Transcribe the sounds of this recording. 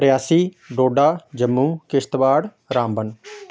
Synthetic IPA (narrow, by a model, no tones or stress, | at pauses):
ɾjaːsiː | ɖoːɖaːd͡ʒəmːũːkɪst̪ʋaːɽ | ɾãːmbən